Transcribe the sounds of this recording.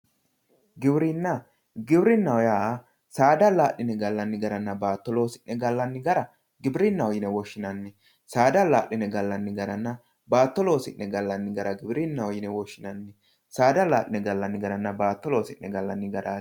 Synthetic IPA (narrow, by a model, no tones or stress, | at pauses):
ɡɪbɾɪnːɐ | ɡɪbɾɪnːɐwɔjaː | saːd̪ɐlaːʔɪnɛɡɐlːɐnːɪɡɐɾɐnːɐbaːt̪ːɔloːsɪnːɛɡɐlːɐnːɪɡɐɾɐ | ɡɪbɪɾɪnːɐwɔjɪnɛwɔʃːɪnɐnːɪ | saːd̪ɐlaːʔːɪnɛɡɐlːɐnːɪɡɐɾɐnːɐ | baːt̪ːɔloːsɪ̰nːɛɡɐlːɐnːɪɡɐɾɐɡɪbɾɪnːɐwɔjɪnɛwɔʃːɪnɐnːɪ | saːd̪ɐlaːʔɪnɛɡɐlːɐnːɪɡɐɾɐnːɐbaːt̪ːɔloːsɪnːɛɡɐlːɐnːɪɡɐɾa